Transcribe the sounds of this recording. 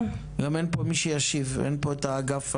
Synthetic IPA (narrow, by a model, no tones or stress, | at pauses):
ɡamenpomiʃejaʃivḛnpoet̪aːɡaf